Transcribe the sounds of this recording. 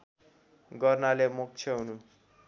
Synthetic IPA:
ɡʌrnalemuk̚t͡sʰʌɦunu

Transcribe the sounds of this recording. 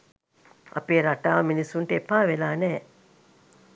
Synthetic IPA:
ʔɐ̰peːɾaʈaːʋɐminisuɳʈepaːʋelaːnɛː

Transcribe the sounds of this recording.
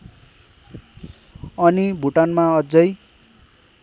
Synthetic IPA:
ʌnibʱuʈanmaʌd͡zʌj

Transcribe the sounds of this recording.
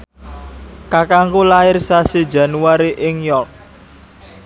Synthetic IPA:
kakaŋkolaɪrsasedd͡ʒa̤nuaɾiʔɪŋjɔk̚

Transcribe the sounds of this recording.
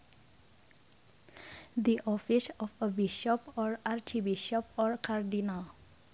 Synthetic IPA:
d̪iʔɔfisɔfəbiʃɔpɔɹaɹt͡ʃibiʃɔpɔɹkaɹdinal

